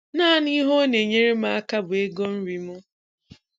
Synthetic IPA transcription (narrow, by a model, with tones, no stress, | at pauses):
na˦˨ni˦ɦo˦ne˨ɲe˦ɾe˦ma˦a˦ka˦bʊ˨e˦ɡo˦n̩˦ɾi˨mʊ˦